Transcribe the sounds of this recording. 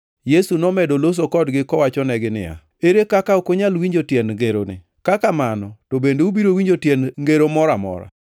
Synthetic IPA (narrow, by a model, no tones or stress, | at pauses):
jesunɔmɛdolos̬okɔdɡɪkɔwat͡ʃɔnɛɡɪnɪ̰ja̰ | eɾekakaokoɲalwiɲd͡ʒotjɛnŋɡeɾo̰nɪ̰ | kakamanɔtobendeubiɾowiɲd͡ʒotjɛnŋɡeɾomɔɾamɔ̰ɾa̰